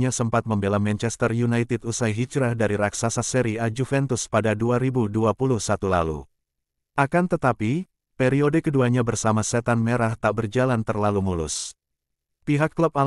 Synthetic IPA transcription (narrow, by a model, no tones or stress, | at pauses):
ɲasəmpat̪̚məmbelamɛnt͡ʃɛst̪ərjunajt̪ɪdusajɦit͡ʃɾahdaɾiɾaksasasɛɾiad͡ʒufɛnt̪ʊspadaduaɾibuduapuluhsat̪ula̰lṵ | ʔakant̪ət̪api | peɾiodekəduaɲabərsamasɛt̪anmeɾaht̪aʔbərd͡ʒalant̪ərlalumulʊ̰s | piɦakːlup̚a